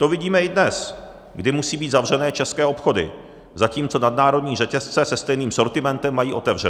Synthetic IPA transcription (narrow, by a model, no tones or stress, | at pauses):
t̪ovɪɟiːmɛʔɪdnɛs | ɡdɪmusiːbiːt̪zavr̝ɛnɛːt͡ʃɛskɛːʔo̞pxo̞dɪ̰ | zaciːmt͡so̞nadnaːɾo̞dɲiːr̝ɛcɛst͡sɛsɛst̪ɛjniːmso̞ɾt̪ɪmɛnt̪ɛmːajiːʔo̞t̪ɛvrɛ